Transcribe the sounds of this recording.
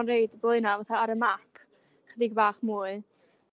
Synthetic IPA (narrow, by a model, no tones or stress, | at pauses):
nrejdblˠʊɨnavaθaaɾəmakʰ | χədiɡbaːχmuːɨ